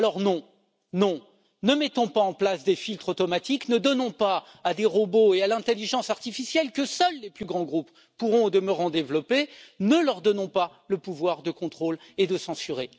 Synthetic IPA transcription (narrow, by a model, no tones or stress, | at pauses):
alɔʁnɔ̃ | nɔ̃ | nəmɛt̪ɔ̃paɑ̃plasd̪efilt̪χot̪ɔmat̪iknəd̪ɔnɔ̃paː | d̪eʁoboealɛ̃t̪eliʒɑ̃saʁt̪ifisjɛlkəsœlːeplyɡʁɑ̃ɡʁupː | uʁɔ̃od̪əməʁɑ̃d̪evlɔpenəlœʁd̪ɔnɔ̃pa | ləpuvwaʁd̪əkɔ̃t̪χol | ed̪əsɑ̃syʁe